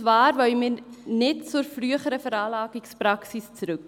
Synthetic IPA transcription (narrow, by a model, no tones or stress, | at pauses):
vaːɾvœʏmɪːɾnɪtt͡sʊɾfryəχəɾəfɛɾɑːlɑːɡikspɾɑksist͡sɾʉk